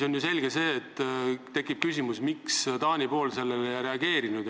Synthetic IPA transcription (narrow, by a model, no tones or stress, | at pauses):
so̞njuse̞lʲɡ̥ese̞ːt̪ːt̪ːe̞kːˑip̚kysʲimusmikst̪ɑːnʲipo̞ːlse̞lːe̞lejɑɾe̞ɑɡ̥e̞ːɾinud̪